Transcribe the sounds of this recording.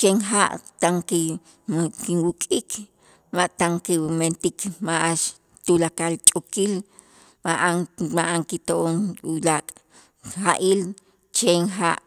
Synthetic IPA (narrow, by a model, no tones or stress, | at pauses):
t͡ʃeŋxaʔt̪aŋke | kinwukʼik | maʔt̪aŋkement̪ikmaʔaʃ | t̪ulakalt͡ʃʼokil | maʔaŋmaʔaŋkit̪oʔonlakʼ | xaʔil | t͡ʃeŋxaʔ